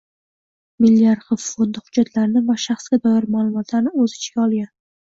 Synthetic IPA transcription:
mɪlːjaɾχɨffond̪ɪhʊd͡ʒat̪laɾnɪvaʃaχsɡʲad̪ɒjaɾmalˠʊmɒt̪ʰlaɾnɪɵzɪɪt͡ʃkʲaɒlˠɡʲan

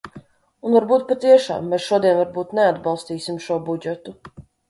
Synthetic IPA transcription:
unvaɾbuːt̪̚pat̪iɛʃa̰ːmːɛːsʃuɔd̪iɛnvaɾbuːt̪nead̪bɑlˠst̪iːsimʃuɔbud͡ʒɛt̪u

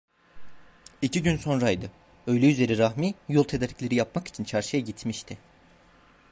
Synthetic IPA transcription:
icʰiɟynso̞nɾajd̪ɯ | ø̞jlʲɛyze̞ɾiɾaxmijolˠt̪ʰed̪eɾʲiclʲe̞ɾijap̚maki̥t͡ʃʰint͡ʃʰaɾʃɯjaɟit̪ʰmiʃt̪ʰɪ

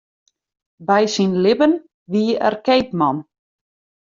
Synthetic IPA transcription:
bɛjsinlɪbən | ʋiːɛ̰rkejpmɔn

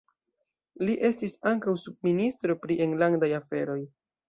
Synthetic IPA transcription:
liʔe̞stisaŋkawsub̚ministɾo̞pɾie̞ŋlandajafe̞ɾo̞j

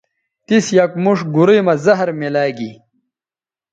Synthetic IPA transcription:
t̪isjɐkmuʂɡuɾimɐzɐɦɾmelaːɡi

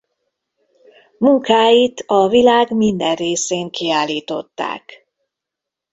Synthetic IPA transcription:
muŋkaːjit̪ɒvilaːɡmind̪ɛrreːseːŋkʰiaːliːt̪o̞̰t̪ːa̰ːk

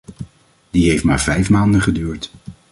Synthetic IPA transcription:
diɦejftma̰ːɹvɛjfmaːndəχədyːɹt

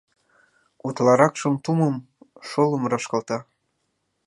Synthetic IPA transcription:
ut̪lɑɾɑkʃɤmt̪uməm | ʃoləmrɑʃkɑlt̪ɑ

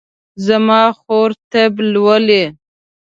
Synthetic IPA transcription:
zamɑxoɾt̪əblwəle

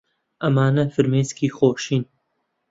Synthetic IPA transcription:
ɐmaːnɐfɨɾmeːskʰiːxoːʃiːn

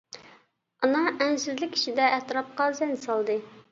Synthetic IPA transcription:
ɑnɨŋɛnsɪzlɪkʲʰːi̥ʃid̪ɛʔːt̪ɾɑp̚qɑzɛnsɑlˠd̪ɨ

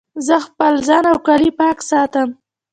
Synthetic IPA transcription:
zəxpəlzɑnawkalipɑksɑt̪əm

